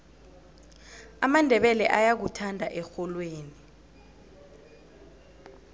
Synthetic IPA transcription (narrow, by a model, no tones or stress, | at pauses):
amandʱɛɓɛlɛʔajak̬utʰandʱaʔɛxɔlweːni